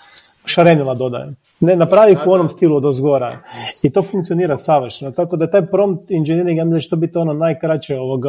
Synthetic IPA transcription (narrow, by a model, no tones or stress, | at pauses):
ʃaɾenilˠad̪o̞d̪a̰jḛ | nenapɾaːʋixuo̞nomst̪ilˠuod̪ozɡo̞ɾa̰it̪o̞fuŋk̪sioniːɾasaʋɾʃnot̪akod̪ajet̪aːjpɾo̞mt̪ind͡ʒeniɾiɡjamiat͡ʃe̥t̪obit̪io̞nonajkɾat͡ɕeoʋoɡ